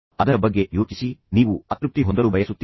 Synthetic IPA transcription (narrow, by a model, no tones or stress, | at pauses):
ɐd̪ɐɾɐbɐɡːe̞joːt͡ʃisiniːʋuɐt̪ɾup̚t̪iɦond̪ɐɾubʱɐjɐsut̪ː